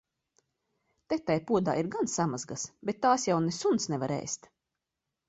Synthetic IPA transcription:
t̪ɛt̪ːajpuɔd̪a̰ːiɾɡansamazɡasbet̪ːaːsjawnesunt̪snɛvaɾɛ̰ːst̪

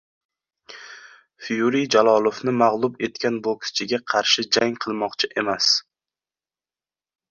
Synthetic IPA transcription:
fijuɾijd͡ʒalˠɒlˠofnɪmaʁlˠʊbe̞t̪kʲʰanbokʲʰɪ̥st͡ʃʰɪɡʲaqʰɑɾʃɪd͡ʒaŋqʰɨlˠmɒqt͡ʃʰɪʔe̞mas

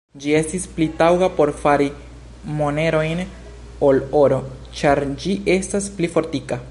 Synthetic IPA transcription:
d͡ʒie̞stisplitawɡapo̞ɾfaɾi | mone̞ɾo̞jn | oloɾo̞ | t͡ʃaɾd͡ʒiʔe̞stasplifo̞ɾtika

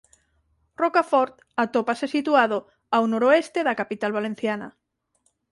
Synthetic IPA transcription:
rokafɔɾt̪ | at̪opasesit̪uaðo | awnoɾoest̪eðakapit̪alβalen̟θjanɐ̰

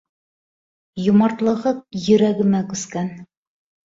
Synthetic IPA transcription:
jŏmɑɾt̪lˠɤ̆ʁɤq̚jɵ̆ɾæɡɘ̆mækʉskæn

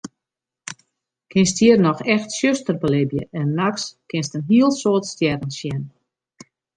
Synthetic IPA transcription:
kʰɪnsthiərnɔxɛxtsjøstərbəlɪbjə̰ʔɛnːakskɪnstənɦiəlˠsoətstjɛdənsjɛn

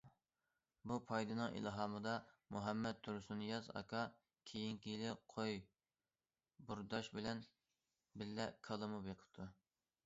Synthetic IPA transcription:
bupʰɑjd̪ɨnɨŋḭlˠɦɑːmɨd̪ɑmuɦɛmːɛt̪̚t̪ʰːuɾsunjɑzɑ̰kʰɑ | kʲʰejiŋkʲiilɪqʰoj | buɾd̪ɑʃbɪlɛn | bɪllɛkʰəlˠɨmupjeqʰə̥p̚t̪ʰu

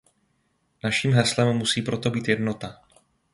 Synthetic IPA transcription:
naʃiːmɦɛslɛmːusiːpɾo̞t̪o̞biːt̪jɛdno̞t̪a

